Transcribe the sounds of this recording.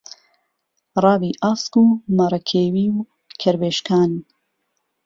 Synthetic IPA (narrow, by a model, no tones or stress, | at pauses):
rɑːbiːʔaːskuːmaɾˤɐkʰeːwiːw | kʰɐɾbeːʃkaːn